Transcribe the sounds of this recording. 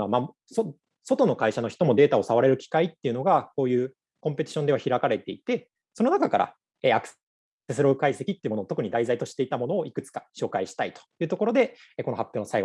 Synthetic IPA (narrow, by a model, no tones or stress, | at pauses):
ama | so | so̞t̪o̞no̞kaiɕano̞çi̥t̪o̞mo̞d̪e̞ːt̪ao̞saβaɾe̞ɾɯ̟kʲi̥kait̪ːe̞iɯ̟no̞ɡako̞ːjɯ̟ː | kõ̞mpe̞t̪ʲi̥ɕond̪e̞βaçiɾakaɾe̞t̪e̞it̪e̞ | so̞no̞nakakaɾa̰ | eːak | t̪esɨɾo̞ɯkaise̞kʲit̪ːeiɯ̟mooːt̪o̞kɯ̟ɲ̟id̪aizait̪o̞ɕi̥t̪e̞it̪amo̞no̞ːikɯ̟t͡sɨ̥kḁɕo̞ːkaiɕi̥t̪ait̪o̥jɯ̟ːt̪o̞ko̞ɾo̞d̪e̞eːko̞no̞hapʲːjoːnosaiɡ